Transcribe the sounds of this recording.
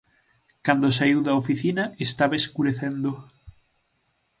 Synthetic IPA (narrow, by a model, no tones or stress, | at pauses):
kand̪os̬aiwðɐofiθinɐest̪aβaeskuɾeθend̪o